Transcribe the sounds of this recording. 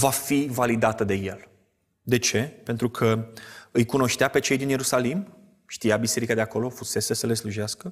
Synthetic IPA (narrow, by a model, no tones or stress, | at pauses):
vafivalid̪at̪əd̪e̞je̞̰l | d̪e̞t͡ʃe̞pe̞nt̪ɾukʰəɨjkuno̞ʃt̪eape̞t͡ʃe̞jd̪inje̞ɾusalim | ʃt̪ijabise̞ɾikad̪e̞ako̞lo̞fuse̞sesəle̞sluʒaskə